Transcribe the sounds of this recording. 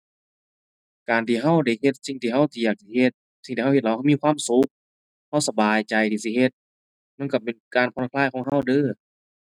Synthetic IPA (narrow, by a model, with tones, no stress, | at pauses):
kaː˨˩nt̪ʰiː˧˩ɦa˧˩˨wda˧˩jɦe˧t̪̚si˧ŋt̪ʰiː˧˩ɦa˧˥˨wt̪ʰiː˧jaː˨˩k̚t̪a˧˩he˧t̪̚ | si˧˨ŋt̪iː˧˨a˧˥˩e˧t̪̚lwha˧˨miː˧˥˨kwaː˧˥˨msu˧˦k̚ | ha˧˥˨wsa˧baː˨jt͡ɕa˨˩jt̪ʰiː˧˩si˧˩he˧t̪̚ | ma˧˥˨nka˧˩pe˨nkaː˨˩npʰɔ˧˨n˧kʰlaː˧˥˨jkʰɔː˧˦ŋɦa˧˩˨wdɤː˧˥˨